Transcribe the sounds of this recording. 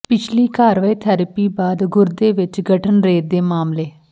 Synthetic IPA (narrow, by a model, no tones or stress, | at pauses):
pɪt͡ʃʰliːkaːɾʋaːiːt̪ʰɛːɾəpiːbaːd̪ɡʊɾd̪eːʋɪt͡ʃɡəʈʰənɾeːd̪eːmaːmleː